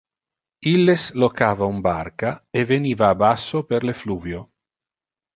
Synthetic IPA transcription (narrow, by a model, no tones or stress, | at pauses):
ilːeslokavaumbaɾkaevenivaːbasopeɾlefluvjo